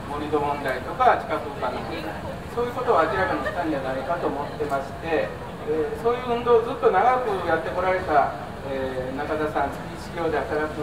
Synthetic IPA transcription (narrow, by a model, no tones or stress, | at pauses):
mo̞ɾʲid̪o̞mõ̞nd̪ait̪o̞kat͡ɕi̥kakɯkãnːoɸɯĩna | so̞ːjɯko̞t̪o̞βaːkiɾakanoki̥t̪ãɲ̟iβanaikat̪o̞ːmo̞t̪ːe̞maɕi̥t̪e̞ː | so̞ːjɯ̟ɯ̟̃nd̪o̞ːzɨt̪ːo̞naɡakɯ̟jat̪ːe̞ko̞ɾaɾe̞t̪a | eːnakad̪asãnt͡sɨ̥kʲiɕi̥ɡʲo̞ːd̪e̞at̪aɾakɯ